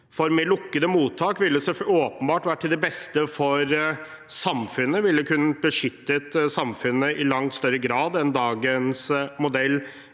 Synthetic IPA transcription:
fɔɾmeːlʊkːəd̪əmuːt̪ʰːɑːkʋɪlːəsɛoːpənbɑːʈʋæːʈʰːɪld̪ɛbɛst̪əfɔɾ | sɑmfʉnːəʋɪlːəkʰʉnːbəʂʏt̪ːət̪sɑmfʉnːəʔɪlɑŋt̪st̪œɾəɡɾɑːd̪ɛnd̪ɑːɡənsmʊd̪ɛlː

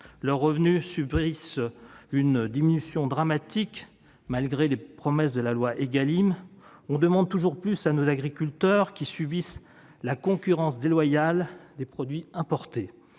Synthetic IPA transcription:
lœʁːəvnysybʁis | ynd̪iminysjɔ̃d̪ʁamat̪ik | malɡʁelepχɔmɛsd̪əlalwaʔeɡalim | ɔ̃d̪əmɑ̃d̪̚t̪uʒuʁplysanozaɡʁikʲylt̪œʁkʲisybis | lakɔ̃kʲyʁɑ̃sd̪elwajald̪epχɔd̪ɥiɛ̃pɔʁt̪e

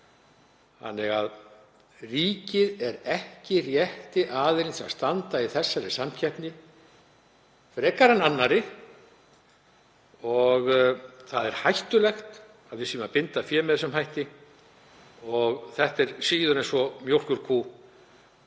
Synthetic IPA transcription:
ha̰nːɛɣað | riːcɪðɛɾɛhcɪrjɛht̪ɪʔaːðɪɾɪnsa̰st̪ant̪aiθɛsːaɾɪsamcʰɛhpnɪ | fɾɛːkaɾananːaɾɪ | ɔɣθaðɛɾ̥hajht̪ʏlɛxt̪ | aðvɪsiːmapɪnt̪afjɛːmɛðsɛmhajht̪ɪ | ɔɣθɛht̪ɛɾ̥siːðʏɾɛnsɔmjowl̥kʏɾ̥kʰuː

